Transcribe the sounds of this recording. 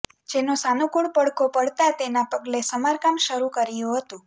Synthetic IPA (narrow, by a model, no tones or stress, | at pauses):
d͡ʒenosanũkuɽpəɽkʰopəɽt̪at̪enapəɡlesəmaɾkamʃəɾukəɾijũɦət̪ũ